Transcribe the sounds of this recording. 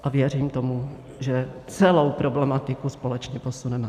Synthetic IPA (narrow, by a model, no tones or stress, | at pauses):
ʔavjɛriːmt̪o̞mu | ʒɛt͡sɛlowpɾoblɛmat̪ɪkuspo̞lɛt͡ʃɲɛpo̞sunɛma